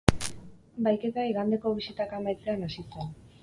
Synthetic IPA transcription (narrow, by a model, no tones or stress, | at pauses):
bajke̞t̪aiɣand̪e̞ko̞βisit̪akamajt͡se̞anasit͡sen